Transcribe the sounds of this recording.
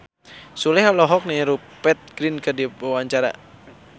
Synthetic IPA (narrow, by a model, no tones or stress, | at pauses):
sulɛhlɔɦɔk̚niɾu | pɛt̪̚ɡ̥ɾinkɨrdiwaɲt͡ʃaɾa̰